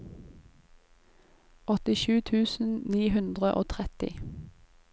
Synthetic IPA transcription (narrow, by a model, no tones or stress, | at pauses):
ʔɔt̪ɪʃʉːt̪ʰʉːsn̩niːhʉnd̪ʁəʔo̰ːt̪ʰʁɛt̪ɪ̰